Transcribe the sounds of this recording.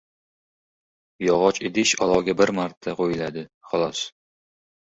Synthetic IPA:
jɒʁɒt͡ʃed̪ɪʃɒlˠɒɡʲabɪɾmaɾt̪ʰːaqojɪlad̪ɪχɒlˠɒs

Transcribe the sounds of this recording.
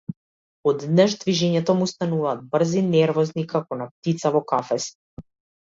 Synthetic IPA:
ɔd̪nɛʒd̪viʒɛɲɛt̪ɔmust̪anuvaːd̪̚br̩zinɛɾvɔznikakɔnap̚t̪it̪savɔkafɛst̪

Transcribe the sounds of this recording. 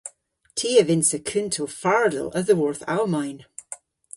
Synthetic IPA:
tʰiːəvɪnsəkʰʉntʰofaɹdə̰lˠəðəwɔɹθa̰lˠmajn

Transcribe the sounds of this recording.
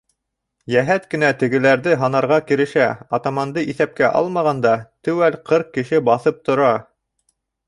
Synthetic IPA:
jæɦæt̪kɘ̆næt̪ɘ̆ɡɘ̆læɾðɘɦɑnɑɾʁɑkɘ̆ɾɘ̆ʃæɑt̪ɑmɑnd̪ɤʔiθæp̚kæʔɑ̰lˠmɑʁɑnd̪ɑt̪ɘ̆wælqʰɤɾq̚kːɘ̆ʃɘbɑθɤp̚t̪ŏɾɑ

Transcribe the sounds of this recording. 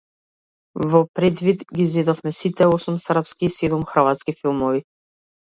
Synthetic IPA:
vɔpɾɛd̪vid̪ɡizɛd̪ɔfmɛsit̪ɛɔsumsɾpskiːsɛd̪umxr̩vat̪skifilˠmɔvi

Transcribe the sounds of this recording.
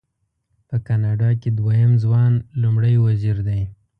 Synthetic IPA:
pəkɑnɑɖɑked̪wajəmzwɑnlumɽajwaziɾd̪aj

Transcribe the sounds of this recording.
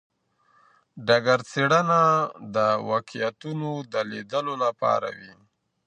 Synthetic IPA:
ɖaɡaɾt͡seɽənad̪əwɑkijat̪unod̪əled̪əlolapɑ̰ɾa̰wi

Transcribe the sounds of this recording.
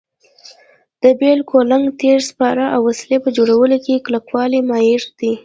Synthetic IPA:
d̪̥əbelkʰolaŋɡt̪eɾspɑɾaʔawːaslepəd͡ʒoɽawəlokeklakwɑlimɑjɪɾd̪̥i

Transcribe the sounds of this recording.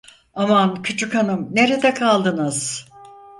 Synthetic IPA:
amankʰɯt͡ʃʰukanɯmne̞ɾed̪ɛkʰalˠd̪ɯnɯz̥

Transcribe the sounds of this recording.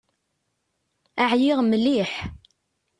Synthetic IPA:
aʕjɪʁməlːiħ

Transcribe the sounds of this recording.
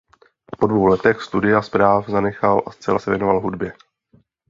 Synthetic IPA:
podvowlɛt̪ɛxst̪udɪjaspɾaːfzanɛxalʔast͡sɛlasɛvjɛnovalɦudbjɛ

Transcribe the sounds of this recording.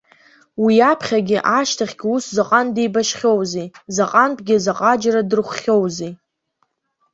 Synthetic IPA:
wiapʰχʲaɡʲɪʔaʃtʰaχʲɡʲɪuszaqʼandejbaʃχʲo̞wzizaqʼanpʼɡʲɪzaqʼad͡ʒradɨrχʷχʲowzi

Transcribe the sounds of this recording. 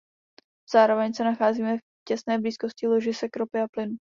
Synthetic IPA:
z̥aːɾo̞vɛɲsɛnaxaːziːmɛf | cɛsnɛːbliːsko̞scɪlo̞ʒɪsɛkɾopɪaplɪnu

